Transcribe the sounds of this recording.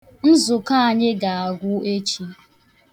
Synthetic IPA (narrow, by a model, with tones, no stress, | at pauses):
n̩˦zʊ˨ka˦a˨ɲɪ˦ɡa˨a˨ɡʷʊ˦e˦t͡ʃi˦